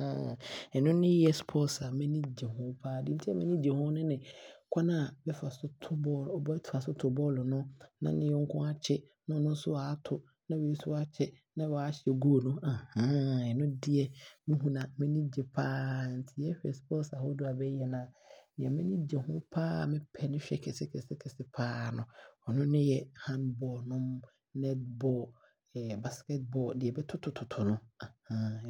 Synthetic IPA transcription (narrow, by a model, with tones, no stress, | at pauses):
a˨ɛ˨nʊ̃˦nɪ̃˦jɛ˦spʰɔ˦sa˨mɛ̃˦nĩ˦d͡ʑɛ˨hʊ̃˦pʰaː˦˨dɪ̃˨˦n̩˦tʰɛ˦mɛ̃˦nĩ˦d͡ʑɛ˨hʊ̃˦nʊ̃˦nɪ̃˨kʷʰa˦nã˨bɛ˦fa˨sʊ˦tʰʊ˦bɔ˦lɔ˨bɔ˦ɛ˦tʰa˨sʊ˦tʰʊ˨bɔː˦lʊ˨nʊ̃˦nã˦nɪ̃˨jɛ˦ŋ̩˦kʰʊ̃˦a˦t͡ɕʰɛ˦ | nʊ̃˦nʊ̃˦n˦sʊ˦wa˨˦tʰʊ˨ | nã˦wɛ˨i˦sʊ˦a˦t͡ɕʰɛ˦nã˦wɔ˨a˨˦ɕɪ˨ɛ˨ɡu˦o˨nʊ̃˦a˨hã˦ɛ˨nʊ̃˦dɪ˦ɛ˦mĩ˦ɦũ˦nã˨mɛ̃˦nĩ˦d͡ʑɛ˨pʰaː˦n̩˨tʰɪ˨jɛ˦ɕᶣɛ˨sbɔ˦sa˨ho˦dʊ˦a˨bɛ˦jɛ˨nã˨nɪ̃˨ɛ̃˨mɛ̃˦nĩ˦d͡ʑɛ˨hʊ̃˦pʰaː˦˨mɪ̃˦pʰɛ˨nɪ̃˦ɕᶣɛ˨kʰɛ˨sɪ˦kʰɛ˨sɪ˦kʰɛ˨sɪ˦pʰaː˦nʊ̃˨ɔ˨nʊ̃˦nɪ̃˦jɛ˦hã˦nbɔː˨nʊ̃˦m | nɛ˦tbɔ˦˨ | ɛ˨ba˨skɛ˦t̚bɔ˨dɪ˨ɛ˨bɛ˦tʰʊ˦tʰʊ˨tʰʊ˨tʰʊ˨nʊ̃˦a˨hã˦